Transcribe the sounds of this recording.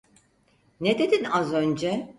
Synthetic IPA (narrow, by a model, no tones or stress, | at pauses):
ned̪ed̪inazø̞nd͡ʒɛ